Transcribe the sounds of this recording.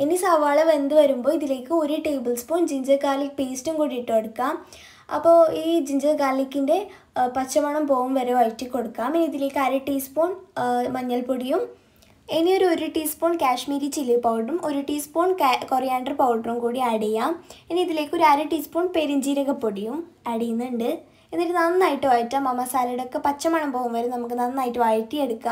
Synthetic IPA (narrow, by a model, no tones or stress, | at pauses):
enisaːʋaːɭɐʋɐnd̪ɨʋɐɾumbo̞ːiðile̞ːkːɨo̞ɾuʈeːbɨlspoːɳd͡ʑiɲd͡ʑɐkaːlikpeːstumkuːɽiiʈːɨɐɽukːaːm | ɐ̰pːoːiːd͡ʑiɲd͡ʑɐkaːlikʲːinde̞ | pɐt͡ɕːɐʋɐɳɐmpo̞ːʋumʋɐɾeɐjtːikːo̞ɽukːaːmenːiðileːkːɨɐɾɐʈːiːspoːɳmɐɲːɐlpoɽijum | enːio̞ɾuoɾuʈiːspoːɳkʲaːʂmiːɾit͡ɕilːipɐwɖrumo̞ɾuʈiːspoːɳkorijaːɳɖɐrpɐwɖrumkuːɽiɐɽɐjaːmenːiiðile̞ːkːo̞ɾuaːɾɐʈiːspoːɳpeɾiɲd͡ʑiːɾɐɣɐpːoɽijumɐɽijunːɐɳɖɨ | enːiɾnanːɨnaːjiʈːɨʋaːjitːamɐmɐsaːlɐɽeokːe̞pɐt͡ɕːɐmɐɳɐmpo̞ːɣumʋɐɾemnɐmukːɨnɐnːɨnaːjitːɨʋaːjitːɨeɽukːaː